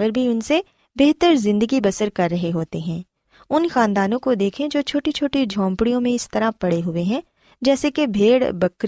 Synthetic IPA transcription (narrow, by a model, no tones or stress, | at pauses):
ɡəɾbʱiʊnse | beɦt̪əɾzɪ̃nd̪əɡibɐsəɾkɐɾːɐɦeɦoːt̪eɦɛ̃ː | ʊnxaːnd̪aːnõkod̪eːkʰẽd͡ʒoːt͡ʃʰoːʈit͡ʃʰoːʈid͡ʒʱɔ̃ːmpɽijõmẽɪst̪ɐɾapɐɽeɦʊeɦɛ̃ː | d͡ʒɛːsekebʱeːɽbɐkɾ